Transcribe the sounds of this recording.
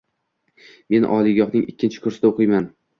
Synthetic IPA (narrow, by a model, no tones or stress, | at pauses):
me̞nʔɒ̰lˠɪɡʲɒχnɪŋɪkʲʰːɪnt͡ʃʰɪ̥kʰʊɾsɪd̪aoqʰɨjman